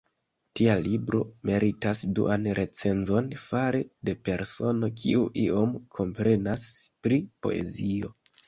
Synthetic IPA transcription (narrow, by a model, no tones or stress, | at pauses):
tialibɾo̞̰me̞ɾitasdṵʔanɾʔe̞t͡se̞nzo̞nfaɾede̞pe̞ɾso̞no̞kʰiuʔio̞mkʰo̞mpɾe̞naspɾipo̞̰e̞̰zio̞